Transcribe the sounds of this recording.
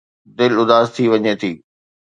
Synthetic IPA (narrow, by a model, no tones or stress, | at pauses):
d̪ɪlʊd̪aːzt̪ʰiʋɐɲet̪ʰiː